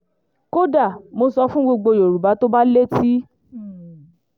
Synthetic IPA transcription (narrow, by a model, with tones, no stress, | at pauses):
ko˦da˦˨mo˧sɔ˧fũ˦ɡ͡bo˧ɡ͡bo˧jo˨ɾu˨ba˨˦to˦ba˦le˦ti˦